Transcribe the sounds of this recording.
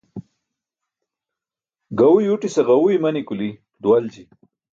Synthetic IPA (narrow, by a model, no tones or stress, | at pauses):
ɡawujuʈisɐɣawujmɐnikuli | d̪uwald͡ʑi